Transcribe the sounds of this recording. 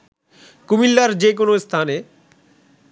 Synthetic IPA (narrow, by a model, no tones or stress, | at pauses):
kumilːaɾd͡ʑek̬onost̪ʰane